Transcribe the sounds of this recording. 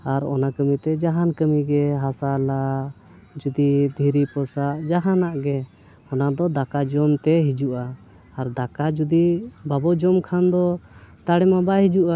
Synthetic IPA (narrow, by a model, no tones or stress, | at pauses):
aɾɔ̰nakəmit̪ɛd͡ʒaɦankəmiɡɛɦasala | d͡ʒud̪id̪ʱiɾipɔsaʔd͡ʒaɦanaʔɡɛ | ɔnad̪ɔd̪akad͡ʒɔmt̪ɛɦid͡ʒuʔaː | ɾd̪akad͡ʒud̪ibabɔd͡ʒɔmkʰand̪ɔt̪aɽɛmabaɦid͡ʒuʔa